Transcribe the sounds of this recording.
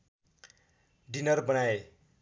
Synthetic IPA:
ɖinʌrbʌnae

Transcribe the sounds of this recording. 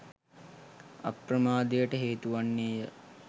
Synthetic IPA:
a̰pɾəmaːd̪ejəʈəɦeːt̪uʋanːeːjə

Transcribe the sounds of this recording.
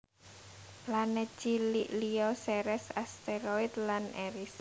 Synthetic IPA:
planɛt͡ʃiliʔliɔsɛɾɛsast̪eɾoid̪laneɾis

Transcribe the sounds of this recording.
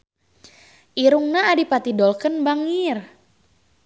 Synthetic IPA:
ʔiɾuŋnaːdipat̪idɔlkənbaŋir

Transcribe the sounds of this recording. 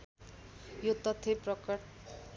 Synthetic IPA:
jot̪ʌt̪ʰːeprʌk

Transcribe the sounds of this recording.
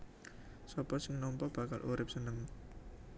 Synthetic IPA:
sɔpɔsɪŋnɔmpɔb̥a̤kalʔuɾɪp̚sənəŋ

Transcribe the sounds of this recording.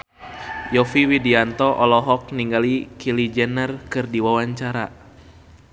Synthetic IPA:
jɔfiwidiant̪ɔʔɔlɔɦɔk̚niŋɡalikilid͡ʒɛnərkɨrdiwawaɲt͡ʃaɾa

